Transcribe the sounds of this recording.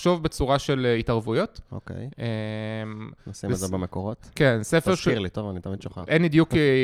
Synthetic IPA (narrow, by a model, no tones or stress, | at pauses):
ʃo̞vbet͡suʁaʃelitɐʁvujo̞t̪o̰kḛjemnossimzebemekoʁotkensefeʁsʃiʁlit̪ovanitamid̪ʃoχa̰enbid̪juk